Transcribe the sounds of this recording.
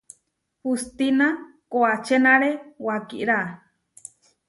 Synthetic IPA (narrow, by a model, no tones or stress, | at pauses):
hust̪ina | koat͡ʃenaɾewakḭʔɾa